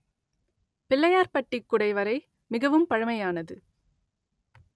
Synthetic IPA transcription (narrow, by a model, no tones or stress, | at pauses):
pɪlːɐjaːɾpɐʈːɪkːʊɽɐɪʋɐɾɐɪ | mɪɣɐʋɯmpɐɻɐmɐjaːnɐðɯ